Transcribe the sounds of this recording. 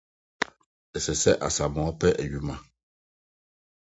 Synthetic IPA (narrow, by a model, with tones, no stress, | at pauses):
ɛ˨sɛ˨sɛ˦ʔa̰˨sa˨mɔ˨a˦pɛ˦ʔɛ˨ɥu˦ma˦